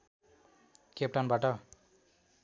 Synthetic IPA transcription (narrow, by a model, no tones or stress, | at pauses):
kep̚ʈanbaʈʌ